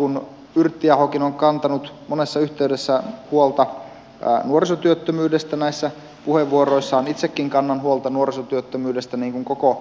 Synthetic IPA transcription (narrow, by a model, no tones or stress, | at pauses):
kun | yrt̪ːiɑhokinoŋkɑnt̪ɑnut̪mone̞sːɑyht̪eydesːæhuolt̪ɑ̰ | nuorisot̪yøt̪ːømyːdest̪ænæisːæ | puheʋːuoɾoisːɑonit̪sekːiŋkɑnːɑnɦuolt̪ɑnuoɾisot̪yøt̪ːømyːdest̪æniːŋkuŋkoko